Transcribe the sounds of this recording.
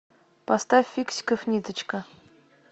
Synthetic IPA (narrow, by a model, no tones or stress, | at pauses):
past̪afʲːiksʲkəfnʲid̪ə̆t͡ɕkə̆